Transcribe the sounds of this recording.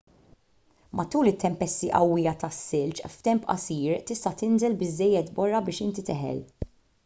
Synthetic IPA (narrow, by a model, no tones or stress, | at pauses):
mʔɐt̪uːlɪt̪ːɛmpɛst̪iʔɐ̰wːɪjɐt̪ɐsːɪlt͡ʃft̪ɛmpɐ̰siːɾt̪ɪst̪ɐt̪ɪnzɛlbɪzːɛjːɛt̪bɔrːɐbɪːʃɪnt̪it̪ɪħɛ̰l